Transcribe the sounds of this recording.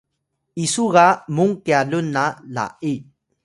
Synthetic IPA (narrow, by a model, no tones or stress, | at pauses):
isuɣamuŋkealunala̰ʔi